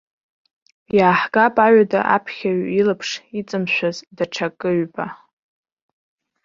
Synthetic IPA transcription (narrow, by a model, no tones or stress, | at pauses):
jaːħɡapʼaɥadaʔa̰pʰχʲaɥilɨpʰʂit͡sʼɨmʃʷᶣazdaʈ͡ʂʰakʼɨɥbʼa